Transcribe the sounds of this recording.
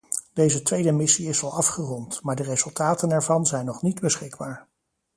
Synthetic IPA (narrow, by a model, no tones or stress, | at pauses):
d̥ejzətʋejdəmɪsiɪzɑlˠɑfχərɔntmaːɹdərezɵlˠtaːtənɛɹvɑnzɛjnːɔχnidbəsχɪɡbaːɹ